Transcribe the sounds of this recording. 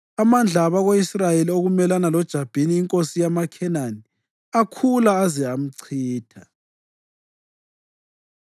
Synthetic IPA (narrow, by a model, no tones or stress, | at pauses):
amand͡ɮʱaβaɣoisrajelioɣumɛlanalɔd̥ʒ̥ʱab̥ʱiniːŋkʼosijamakʰɛnani | akʰulaːzɛam̩ǀʰiːtʰa